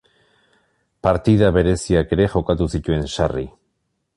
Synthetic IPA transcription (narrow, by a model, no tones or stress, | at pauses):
paɾt̪iðaβe̞ɾe̞siake̞ɾe̞ʝo̞kat̪usit̪ue̞nsari